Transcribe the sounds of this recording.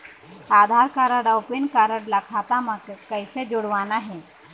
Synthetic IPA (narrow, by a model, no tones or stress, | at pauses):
aːd̪ʱaɾkaɾəɽaʊpinkaɾəɽlakʰaːt̪amãkkəɪsed͡ʒoɽʋaːnaɦɛː